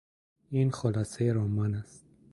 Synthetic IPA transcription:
inχɔlasɛjɾɔmanast̪̚

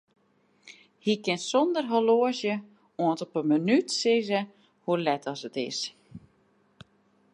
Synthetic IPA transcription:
hikɪnsɔndərɦoloəzjə | oəntɔpənmənytsɪzə | hulɛtɔsətɪ̰s

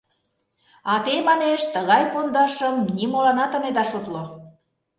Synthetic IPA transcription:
ɑt̪emɑneʃt̪əɣɑjpond̪ɑʃəmnimolɑnɑt̪ə̆med̪ɑʃut̪lo

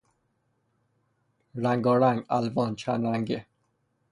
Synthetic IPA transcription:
ɾaŋɡɔɾaŋɡa̰lvɔːnt͡ɕʰanaŋɡe

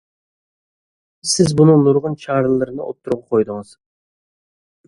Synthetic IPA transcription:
sɪzbunɨŋnuɾʁʊnt͡ʃʰɑɾllˠːɨɾɨnɪʔo̰p̚t̪ʰːuɾʁɑqʰojd̪ɨŋɨz̥

